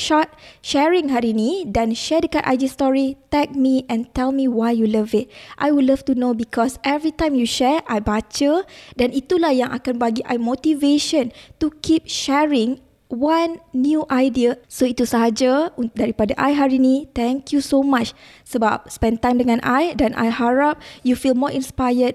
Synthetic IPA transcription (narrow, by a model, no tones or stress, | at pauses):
ʃɔt̚ʃɛɹĩŋɦaɾinĩdãnʃɛdəkatʔa̰jdiəst̪ɔɹit̪ɛk̚mĩʔɛ̃nt̪ɛlmĩwajjuləvɪt̚ʔa̰jwudləftunobikʰɔsʔɛvɹitãjmjuʃɛʔajbat͡ʃədanit̪ulahjãŋʔa̰kanbaɡiʔajmot̪iveʃə̃ntukʰip̚ʃɛɹĩŋ | wãnːjuʔajdiəsoit̪usaɦad͡ʒədɛɹipadaʔajɦaɹinĩt̪ɛ̃ŋkʰjusomat͡ʃsəbap̚spɛ̃ntãjmdəŋãnʔajdɛ̃nʔa̰jhaɹap̚jufilmɔɹʔĩnspajət̚